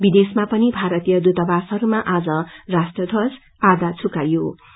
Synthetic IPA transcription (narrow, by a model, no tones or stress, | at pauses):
bid̪esmapʌnibʱaɾʌt̪ijʌd̪ut̪ʌbasʌɾumaʔad͡zʌrasʈʌd̪ʱʌs | ad̪at͡sʰukajo